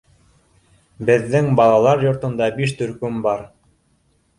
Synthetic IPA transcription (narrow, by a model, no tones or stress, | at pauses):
bɘ̆ðːɘŋbɑlˠɑlˠɑɾjŏɾt̪ɤ̆nd̪ɑbiʃt̪ɵ̆ɾkɵmbɑɾ